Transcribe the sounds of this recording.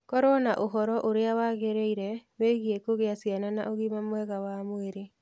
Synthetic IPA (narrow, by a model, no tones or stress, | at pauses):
kɔɾwɔnaʔoɦɔɾɔʔoɾeawaɣeɾeiɾɛweɣiekoɣeasjanana̰ʔoɣimamwɛɣawamweɾe